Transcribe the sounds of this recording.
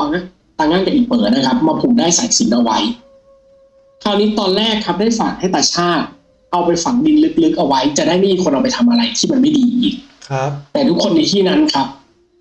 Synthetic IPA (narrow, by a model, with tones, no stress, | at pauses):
a˧˩ŋa˧˥˩ | t̪aː˧ŋaː˥˩nkɛa˨˩ʔiː˨˩k̚mɤː˩˦na˦˥kʰa˦˥p̚maː˧pʰuː˨˩daː˥˩jsaː˨˩˦si˨˩˦nʔa˧wa˦˥j | kʰaː˧˥˩wniː˦˥t̪ɔː˧nɾɛː˥˩kʰːp̚daː˥˩jfa˨˩k̚ha˥˩jt̪aː˨˩t͡ɕʰaː˥˩t̪̚ | ʔa˧wpa˧jfa˨˩ŋ̚di˧nlɯ˦˥k̚lɯ˦˥k̚ʔa˧wa˦˥jt͡ɕa˨˩da˥˩jma˥˩miː˧˩ko˧nʔa˧wpa˧jt̪ʰa˧mʔa˧ɾa˧jt̪ʰiː˥˩ma˧nma˥˩jdiː˧ʔiː˨˩ŋ̚ʰ | t̪ɛː˨˩t̪ʰu˦˥kʰːo˧nːi˧˩t̪ʰiː˥˩na˦˥nkʰa˦˥p̚